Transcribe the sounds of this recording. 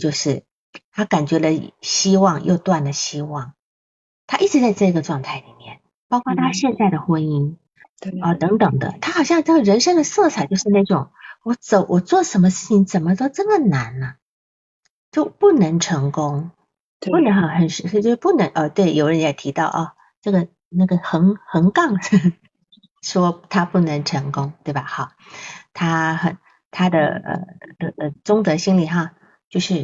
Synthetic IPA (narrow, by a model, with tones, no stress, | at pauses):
t͡ɕjo˥˧ʊʂɻ̩˥˩ | t̪ʰa˥ka˨˩nt͡ɕɥɛ˧˥lə˧ɕi˥wɑ˥˧ŋjʔo̰˥˧ʊt̪wa˥˩nd̪ə˩ɕi˥wɑ˥˩ŋ | t̪ʰa˥ʔi˥˩ʈ͡ʂɻ̩˧˥t͡sa˥˧ɪt͡sɤ˥˩i˧˥ɡə˧ʈ͡ʂwɑ˥˧ŋt̪ʰa˥˩ɪli˨˩mjɛ̰˥˩n | pɑ˥ʊkʰʷwa˥˧t̪ʰa˥ɕjɛ˥˧nt͡sa˥˩ɪd̪ə˩xwə˥ni˥ŋ | ə˥˩t̪ɤ˧˥ŋt̪ɤ˨˩ŋd̪ə̰˦t̪ʰa˥xɑ˨˩ʊɕjɑ˥˧ŋʈ͡ʂɤ˥˩ɡə˩ɻə˧˥nʂɤ˥ŋd̪ə˨sɤ˥˩t͡sʰa˨˩t͡ɕjʊʂɻ̩˥˧na˥˩ʈ͡ʂʊ˨˩˦ŋwɔ˨˩t͡so˨˧˩ʊʔwʔɔ˨˩t͡swɔ˥˩ʂə˧˥nmə˧ʂɻ̩˥˩t͡ɕʰi˧˥ŋt͡sə˨˩nmə˦t̪o˥ʊʈ͡ʂɤ˥˩mə˩na˧˥nnə˧ | t͡ɕjo˥˧ʊpu˥˩nɤ˧˥ŋʈ͡ʂʰɤ˧˥ŋkʊ˥ŋ | u˥˩nə˧˥xɑ˧˩xə˨˩nʂɻ̩˧˥ʂt͡ɕjo˥˧ʂpu˥˩nɤ˧˥ŋʔə˧t̪we˥˩ɪjo˨˩ʊɻə˧˥njɛ˨˩ɪt̪ʰi˧˥t̪ɑ˥˩ʊʔɐ̰˥˧ | ʈ͡ʂɤ˥˩ɡə˩ | na˥˩ɡə˩xə˧˥ŋxə˧˥ŋkɑ˥˩ŋ˥˩ | ʂwɔ˥t̪ʰa˥pu˥˩nɤ˧˥ŋʈ͡ʂʰɤ˧˥ŋkʊ˥ŋt̪we˥˩ɪba˨˩xɑ˨˩˦t̪ʰa˥xə̰˨˩˦n | t̪ʰa˥d̪ə̰˨ə̰˧˩d̪ə˥˩ə˩t͡sʊ˥ŋt͡s̪ɤ˧˥ɕi˥nli˨˩xa˥˧ | t͡ɕjo˥˧ʊʂɻ̩˥˩